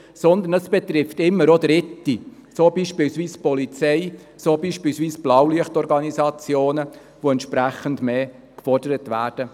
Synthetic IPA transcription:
sɔnd̪ənəsb̥ɛt̪ɾɪftɪmːəɾod̥̪ɾɪtːi | soːbiːʃpilsʋiːspɔlit͡sɛɪ | soːbiːʃpiːlsʋiːsb̥lɑwliəχtɔɾɡɑnizɑt͡sjoːnə | ʋoɛnt̪ʃpɾæχəndmeː | kfɔrdəɾətʋæ̰ːɾd̥ə

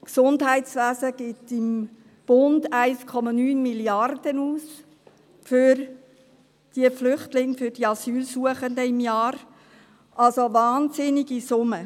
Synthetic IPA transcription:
ksʊndɦæɪtsʋæːzəɡ̥ɪtɪm | b̥ʊndæɪskʰɔmɑnyːnmiljɑrd̥ənuːs | fʏɾ | d̥iəflʏχtlɪŋfʏɾd̥iɑsyːlsuəχəndəɪmjɑːɾ | ʔɑlsoʋɑːnsɪniɡ̥isʊmə

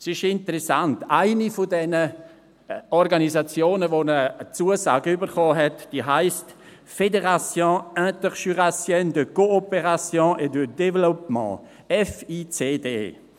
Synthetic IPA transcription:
sɪʃɪntəʁɛsantaɪnifodɛnə | ɔɾɡanizat͡sjoːnəvonət͡suəza̰ːɡəybəɾχɔːɦɛtd̥iːɦaɪst | fedeʁasjɔ̃œ̃təʁʃyʁasjɛndəkoopeʁasjɔ̃ːʔɛdədɛvlopmɑ̰̃ | ɛfiːt͡seːdḛː

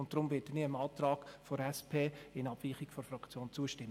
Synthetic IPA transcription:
ʊnt̚d̥ɾʊmvɪːtdəniəmɑːtrɑːɡ̥foɾɛspʰeːɪnɑb̥viːχɪɡ̥fɔɾfrɑkt͡sjoːnt͡suəʃtɪm

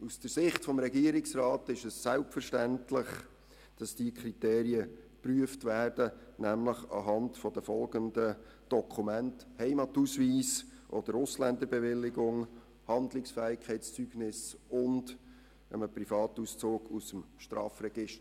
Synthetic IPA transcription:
usd̥əɾsɪχtfɔmɾɛɡiəɾɪksrɑːtɪʃɛsːælpfəɾʃtæntlɪχ | d̥ɑsd̥iːkʰɾiteːɾiəpryəftvæːrd̥ənæmləχɑ̰ɦɑntfɔd̥əfɔlɡəndə | d̥ɔkʰumænthɛɪmɑtusviːsʔɔd̥̪əɾʊslændəɾbɛʋɪlːɪɡʊŋ | hɑndlɪksfɛːɪkʰχɛɪst͡syɡ̥nɪsʊnd | əməprifɑːtuːst͡soːɡusəmʃtɾɑ̰ːfrɛɡ̥ɪʃt

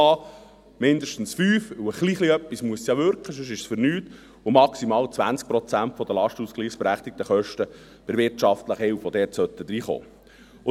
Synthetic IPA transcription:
ɑː | mɪnd̪əʃtən̩sfyːfwəχliːχliœpːismuəsjɑʋʏɾkχəs̬ɵʃ̬ɪʃsfʏɾnyːt | ʊmɑksimɑːlt͡sʋænt͡sk̚pɾɔt͡sænt̪fɔd̪əlɑʃtuskliːχsb̥ɛɾæχt̪ɪk̚t̪əχœʃtə | b̥ɪɾʋɪɾtt͡ʃɑft̪ləχəhɪlfɔd̪ɛːrtsœt̪ːəd̥̪ɾiːχo̰ː | ʊ

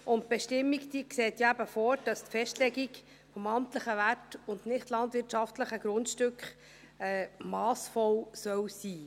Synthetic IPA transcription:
ʔʊnt̚b̥eʃtɪmːikt̪ikseːt̪jæbəfɔɾd̥ɑstfɛʃtlɛɡik | fɔmɑmtləχəʋærtʊndnɪχtlɑndʋɪɾtʃɑftləχəɡ̥ɾʊntʃtʏkχ | ɛːmɑːsfɔwsœwsiː

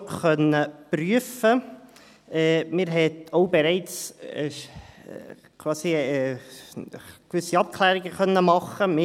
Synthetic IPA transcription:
χœnːəpɾyəfə | ɛmɪːɾɦɛtoʊbɛɾɛɪt͡sː | kʰwɑːsiɛː | kʋʏsːiɑp̚kʰlæːɾɪɡəχœnːəmɑχəmɪ

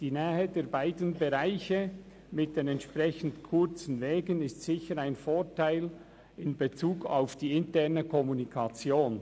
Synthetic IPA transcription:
d̥iːnɛːhədeːbaɪdənbeʁaɪçə | mɪt̚d̥enɛntʃpʁɛçən̩tkʰʊɾt͡sn̩vɛːɡənɪstsɪçəɾaɪnfoːtʰaɪl | ɪnbet͡suːkaʊfd̥iːɪntɛɐnəkʰɔmunikʰɑt͡sjoːn

